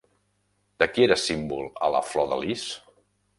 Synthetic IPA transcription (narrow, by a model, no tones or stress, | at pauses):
d̪̥əkieɾəsimbulˠə̰lə̰flɔðə̰lis